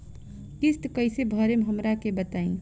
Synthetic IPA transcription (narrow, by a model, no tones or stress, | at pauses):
kist̪kəjsebʱəɾemɦəmɾakebət̪aĩŋ